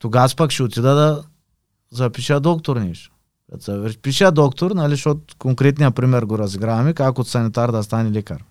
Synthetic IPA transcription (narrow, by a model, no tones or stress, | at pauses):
t̪oɡaspakʃiot̪ʲid̪ɐd̪ɐ | zɐpiʃɛad̪ɔkt̪oɾniʃ | a̰sɐpiʃɛad̪ɔkt̪oɾnaliʃot̪̚koŋkɾet̪nijɐpɾimɛɾɡoɾɐzɡɾamikakot̪sɐnit̪aɾd̪ɐst̪anilɛkɐɾ